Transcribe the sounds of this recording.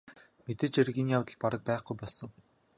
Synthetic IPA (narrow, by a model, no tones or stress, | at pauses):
met̪ɘ̆t͡ɕeɾɣʲinjawt̪ə̆ɮpaɾə̆k̚pæːχɡujpɔɮsɞ̆ŋ